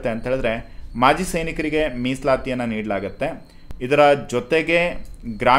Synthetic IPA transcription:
t̪ːeɐnt̪ɐɦeɭid̪ɐɾe̞maːd͡ʒisɐjnikɐɾiɡe̞miːslaːt̪ijɐnːɐniːɽɐlaːɡɐt̪ːe̞ | id̪ɐɾɐd͡ʒɔt̪e̞ɡe̞ɡɾaː

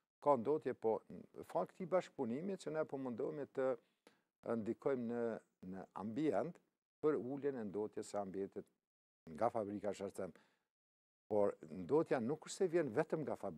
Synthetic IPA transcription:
kand̪ɔt̪jɛpɔfakt̪ibaʃk̚punimit͡ʃənɛpɔmənd̪ɔjmɛt̪ə | nd̪ikʰɔjmnə | nəa̰mbiɛnt̪ | pəɾulɛnɛnd̪ɔt̪jɛsɛambiɛnt̪it̪̚ | ŋɡafabɾikaʃaɾt͡sɛm | pɔɾnd̪ɔt̪janukːəɾsɛvjɛnvɛt̪əmŋɡafab

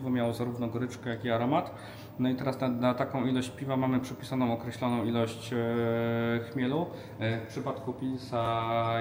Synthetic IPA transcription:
vɔmʲjawɔzaɾuvnɔɡɔɾɘt͡ʂkɛjakiaɾɔmat̪ | nɔit̪ɛɾasnanat̪akɔ̃w̃ilɔɕt͡ɕpʲivamamɘpʂɘpʲi̥sanɔ̃w̃ɔkɾɛɕlɔnɔ̃w̃ilɔɕt͡ɕ | xmʲjɛlu | fpʂɘpat̪kupʲilsa

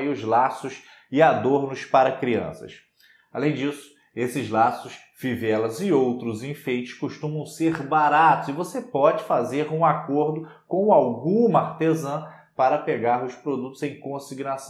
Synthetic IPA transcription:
jʊzlasʊs | ɪad̪oɾnʊspaɾɐkɾiɐ̰̃sɐ̰ʃ | alẽj̃d͡ʒisʊ̥ | esɪzlasʊs | fivɛlɐzɪowt̪ɾʊzĩfejt͡ʃɪ̥ʃkoʃt̪ũmɐ̃w̃seɾbaɾat̪ʊzɪvosepɔd͡ʒɪfazeɾũakoɾd̪ʊkõw̃awɡũmaɾt̪ezɐ̃ | paɾɐpeɡaɾʊspɾod̪ut̪ʊzẽj̃kõsiɡnasɐ̃

